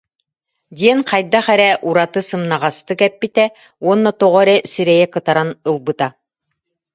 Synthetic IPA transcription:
d̪ʲiɛnqajd̪aχɛɾɛʔuɾat̪ɯsɯmnaʁast̪ɯkɛpːit̪ɛ | uɔnːɔt̪ɔʁɔɾɛsiɾɛjɛkɯt̪aɾanɯlˠbɯt̪a

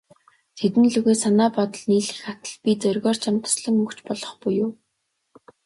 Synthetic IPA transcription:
t̪ʰet̪ɘ̆nɮuɣeːsanaːpɔt̪ɞ̆ɮniːɮɘ̆xat̪ə̆ɮpʲit͡sœrɣɔːr̥t͡ɕʰamt̪ə̥̆sɮə̆ŋɵkt͡ɕpɔɮɞ̆χpujʊː

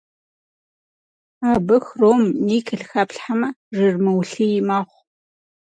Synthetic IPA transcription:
aːbɨxroːmniːkʰɨɬxɐpɬħamɐʐɨrmɨwɬijɪmaːχʷ

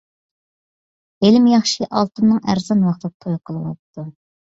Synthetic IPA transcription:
elɪmjɑχʃiʔɑlˠt̪ɨmnɨŋæ̰ɾzɑnwɑχt̪ˠəq̚t̪ʰojqʰəlˠɨwɑ̰t̪ːu

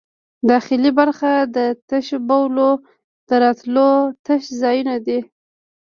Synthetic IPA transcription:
d̪ɑxɪlibaɾxad̪ət̪əʃbawlo | d̪̥əɾɑt̪lot̪əʃzɑjunad̪i

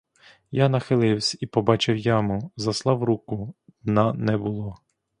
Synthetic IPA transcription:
janɐxɪlˠɪwsʲɐipɔbɑt͡ʃɪwjamʊzɐslˠɑwɾukʊnɐnɛbʊlˠɔ

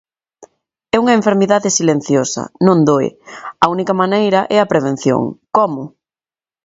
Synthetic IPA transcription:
ɛuŋɐeɱfeɾmiðaðɪsilẽn̟θjosɐ̰nõnd̪oɪ̰ɐunikɐmanejɾɐʔɛɐpɾeβ̞ẽn̟θjo̰ŋkɔmʊ

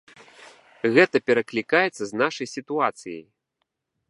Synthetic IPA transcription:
ɣɛt̪ɐpʲɛɾɐklʲikajɛt̪sːɐznaʂɐjsʲit̪uat̪sɨjɐ̰j

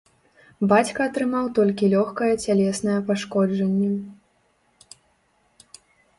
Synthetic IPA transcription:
bat͡sʲkɐːt̪ɾɨmawt̪ɔlʲkʲilʲɔxkɐjɛt͡sʲalʲɛsnɐjɛpaʂkɔd͡ʐɐnʲːɛ

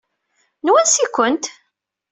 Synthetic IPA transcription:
nwænsikʷːənt̪

